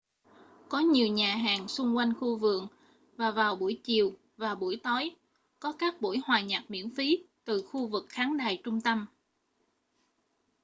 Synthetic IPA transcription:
kɔ˨˦ɲi˨˩əwɲaː˨˩ɦaː˨˩ŋsʊ˧ŋ͡mkwa˧jŋ̟xu˧vɨ̰˧˨əŋ | vaː˨˩vaː˨˩wɓu˧˩əjt͡ɕi˨˩əw | vaː˨˩ɓu˧˩əjt̪ɔ˨˦j | kɔ˨˦kaː˦˥k̚ɓṵ˧˩jhwaː˨˩ɲa˨˩t̚mḭ˧˥ənfi˨˦t̪ɨ˨˩xu˧vɨ˨˩k̚xaː˨˦ŋɗaː˨˩jt͡ɕʊ˧ŋ͡mt̪ə˧m

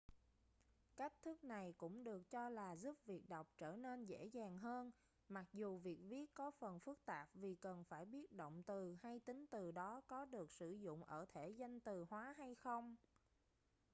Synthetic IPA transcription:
ka˦˥jk̟̚t̪ʰɨ˦˥k̚na˨˩jkʊ̰˧˥ŋ͡mɗɨ˨˩ək̚t͡ɕɔ˧laː˨˩zu˦˥p̚vi˨˩ək̚ɗa˨˩wk͡p̚t͡ɕəː˧˩ne˧nzḛ˧˥zaː˨˩ŋɦəː˧n | ma˨˩k̚zu˨˩vi˨˩ək̚vi˦˥ət̚kɔ˨˦fə˨˩nfɨ˦˥k̚t̪aː˨˩p̚vi˨˩kə˨˩nfaː˧˩jɓi˦˥ət̚ɗo̰˧˨wŋ͡mt̪ɨ˨˩ha˧jt̪ï˨˦ŋ̟t̪ɨ˨˩ɗɔ˨˦kɔ˨˦ɗɨ˨˩ək̚sɨ˧˩zʊ̰˧˨ŋ͡mʔəː˧˩t̪ʰe˧˩za˧jŋ̟t̪ɨ˨˩hwaː˨˦ɦa˧jxə˧wŋ͡m

